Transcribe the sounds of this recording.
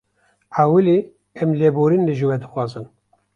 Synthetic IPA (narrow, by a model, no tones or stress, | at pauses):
aːwɨli | ɛmleboːɾinlɨʒɨwɛd̪ɨxwɑːzɨn